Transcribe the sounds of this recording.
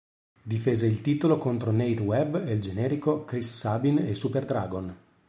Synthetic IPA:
d̪ifeːzeilt̪iːt̪olokont̪ɾonejt̪wɛbeld͡ʒenɛːɾikokɾisːabinesuperd̪ɾa̰ːɡon

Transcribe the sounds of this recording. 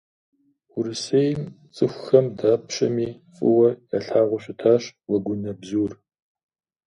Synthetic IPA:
uɾɨsejm | t͡sʼɨxʷxɐmdaːpɕɐ̰miː | fʼɨ̰wɐja̰ɬaːʁʷʊɕʷɪtʰaːɕwɐɡʷʊnɐbzuːr

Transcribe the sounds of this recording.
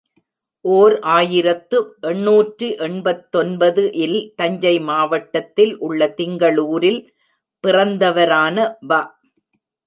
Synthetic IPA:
ʔoːɾʔaːjɪɾɐt̪ːɯʔɛɳːuːʈrɯʔɛɳbɐt̪ːɔnbɐðɯʔɪlt̪ɐɲd͡ʒɐɪmaːʋɐʈːɐt̪ːɪlʔʊɭːɐt̪ɪŋɡɐɭuːɾɪl | pɪrɐnd̪ɐʋɐɾaːnɐbaː

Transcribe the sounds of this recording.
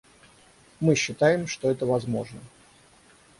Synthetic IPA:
mɨɕːɪt̪ajɪmʂt̪oɛt̪əvɐzmo̞ʐnə

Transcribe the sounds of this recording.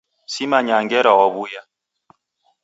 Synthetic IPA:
simaɲaŋɡɛɾaɔβuja

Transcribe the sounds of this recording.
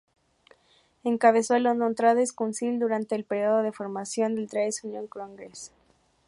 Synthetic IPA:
e̞ŋkaβe̞so̞elond̪ont̪ɾaðoeskunsild̪uɾant̪e̞ːlpe̞ɾjo̞ð̞oðe̞fo̞ɾmasjo̞nd̪elt̪ɾaesunjoŋkɾoaŋɡes

